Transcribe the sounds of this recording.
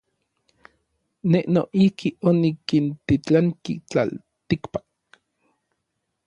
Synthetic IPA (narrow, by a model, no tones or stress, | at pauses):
neʔnoʔihkionikint̪it͡ɬaŋkḭt͡ɬa̰l | t̪ikpḁk̚